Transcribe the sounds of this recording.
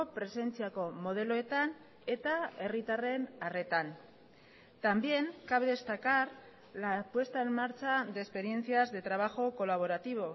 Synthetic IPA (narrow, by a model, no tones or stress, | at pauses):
opɾe̞se̞nt͡siako̞mo̞ð̞e̞lo̞e̞t̪an | e̞t̪ae̞rit̪are̞nare̞t̪an | t̪ambje̞ŋkaβeðe̞st̪akaɾ | lapwe̞st̪ae̞mmaɾt͡ʃaðe̞ːspe̞ɾje̞nθiazðe̞t̪ɾaβ̞axo̞ko̞laβ̞o̞ɾat̪iβ̞o̞